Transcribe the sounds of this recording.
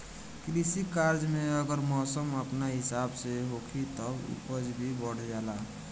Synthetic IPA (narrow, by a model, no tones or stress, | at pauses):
klisikaɾd͡ʒmeəɡəɾmɔːsəməpnaɦɪsabseɦokʰit̪ɔbṵpəd͡ʒbʱibəɽ̤d͡ʒala